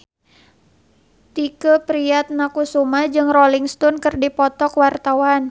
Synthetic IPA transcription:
t̪ikəpɾiat̪̚nakusumad͡ʒɨŋroliŋst̪ɔnkɨrdipɔt̪ɔkwart̪awan

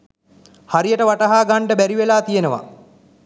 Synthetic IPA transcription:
haɾijəʈəʋaʈɐɦaːɡaɳɖəbæɾiʋelaːt̪ijenəʋa̰

